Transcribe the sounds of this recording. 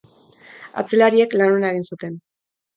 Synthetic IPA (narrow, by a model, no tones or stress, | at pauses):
a̰t͡se̞laɾie̞klanonae̞ɣ̞insut̪e̞n